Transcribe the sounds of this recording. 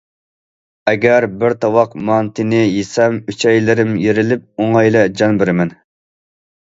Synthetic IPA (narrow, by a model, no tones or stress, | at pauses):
ɛɡʲæɾbɪɾt̪ʰɑwɑqmɑnt̪ʰɪnɪjesɛmyt͡ʃʰɛjlɪɾɪmjeɾɪlɪp̚oŋɑjlˠɛd͡ʒɑnbɪɾɪmɛn